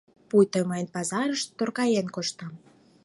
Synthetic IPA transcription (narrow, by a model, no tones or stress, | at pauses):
pujt̪əməjənpɑzɑɾəʃt̪ːorkɑjenkoʃt̪ɑm